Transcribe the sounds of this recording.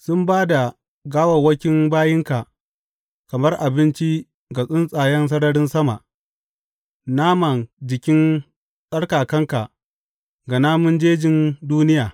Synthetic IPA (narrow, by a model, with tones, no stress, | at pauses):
sʊ˦mbaː˦da˨ | ɡaː˦wɐ˨wɐ˦kʲɪ˦nbaː˦jɪ˦ŋka˨ʔ | kɐ˨mɐ˦rʔa˨bɪ˦nt͡ʃi˦ | ɡa˨sʼɪ˦nsʼaː˨jɛ˦ns̬ɐ˦ɽɐ˦ɽɪ˦nsɐ˦ma˨ʔ | naː˦mɐ˨nd͡ʒɪ˨kʲɪ˦n | sʼɐ˦ɽkaː˨kɐ˦ŋka˨ʔ | ɡɐ˨naː˦mʊ˦nd͡ʒeː˦d͡ʒɪ˨nduː˦nɪ˦jaː˨